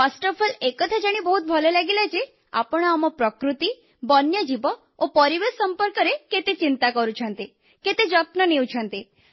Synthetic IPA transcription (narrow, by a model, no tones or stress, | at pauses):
pasʈɔɾpʰɔlekɔt̪ʰad͡ʒaɽ̃ibɔɦut̪̚bʱɔlɔlaɡelat͡ʃʰe | a̰pɔɽ̃amɔpɾɔkɾut̪i | bɔnjɔd͡ʒibɔ | opɔɾiʋesɔmpɔɾkɔɾeket̪et͡ʃint̪akɔɾut͡ʃʰɔnt̪i | ket̪ed͡ʒɔt̪nɔnew̃t͡ʃʰɔnt̪i